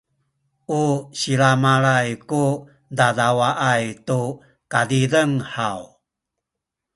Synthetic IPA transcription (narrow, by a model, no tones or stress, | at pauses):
ʔuɕiɾamaɭajku | dadawaʔajtu | kadidəŋħaw